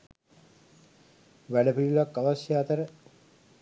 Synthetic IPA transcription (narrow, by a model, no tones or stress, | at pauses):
ʋæɖəpilulakːaʋasjaːt̪əɾə